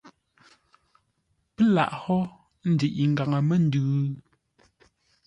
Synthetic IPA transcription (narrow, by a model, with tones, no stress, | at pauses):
pɛ˦la̰˨ʔhɔ˦ | n̩˦di˨ʔi˨ŋ̩˨ɡa˨ŋə˨mɛ˦n̩˦dʉː˨˦